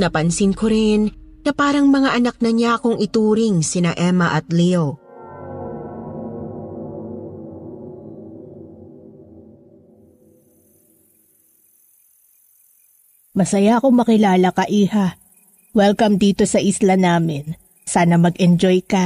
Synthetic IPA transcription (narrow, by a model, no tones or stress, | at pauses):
nɐpɐnsɪnkoɾɪnnɐpaːɾɐŋmɐŋaʔɐnɐk̚nɐɲakʊŋʔɪt̪uːɾɪŋsɪnɐʔɛmɐʔɐt̪̚lio | mɐsɐjaʔɐko̞mɐkɪlaːlɐkɐʔiːha | wɛlkɐmd̪iːt̪o̞sɐʔɪslanaːmɪn | saːnɐmɐɡɛnd͡ʒo̞jkɐ